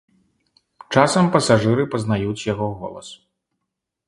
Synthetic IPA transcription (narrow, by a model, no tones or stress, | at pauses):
t͡ʂasɐmpɐsaʐɨɾɨpɐznajut͡sʲjaɣɔɣɔ̰lˠɐ̰s